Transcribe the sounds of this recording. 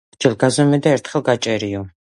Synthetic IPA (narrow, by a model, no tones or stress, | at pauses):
d͡ʒɛlɡazɔmɛd̪aɛɾt̪ʰχɛlˠɡat͡ʃʼɛɾiɔ